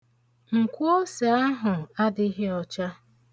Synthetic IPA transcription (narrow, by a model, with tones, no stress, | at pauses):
ŋ̩˨kʷu˦o˦sa˨a˦ɦʊ˨a˦dɪ˦ɦe˦ɔ˨t͡ʃa˦